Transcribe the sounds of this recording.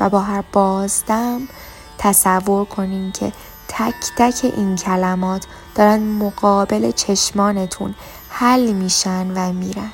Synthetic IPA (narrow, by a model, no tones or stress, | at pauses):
væ̰bɒːɦæɾb̥ɒːzd̪æm | t̪ʰæsævːo̞ɾkʰo̞niːmcʰe̞̰ | t̪ʰæcʰt̪ʰæcʰe̞̰ʔincʰælæmɒːt̪ʰ | d̪̥ɒːɾænd̪moɣɒːbe̞le̞t͡ʃʰe̞ʃmɒːne̞t̪ʰṵn | hælmiːʃænvæmiːɾænd̪̥